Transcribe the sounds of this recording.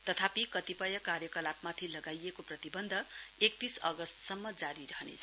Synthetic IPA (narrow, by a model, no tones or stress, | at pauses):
t̪ʌt̪ʰapikʌt̪ipʌjʌkarjʌkʌlapmat̪ʰilʌɡajekoprʌt̪ibʌnd̪ʱʌek̚t̪isʌɡʌst̪sʌmːʌd͡zaɾiɾʌɦʌnḛt͡sʰʌ